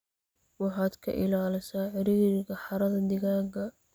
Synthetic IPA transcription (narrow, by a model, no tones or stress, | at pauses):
wɑħɑːd̪kʰɐ̰ʔɪ̰laːlɪsaːʕɪɾiːɾɪɣɐħɑɾɐðɐd̪ɪɣaːɡɐ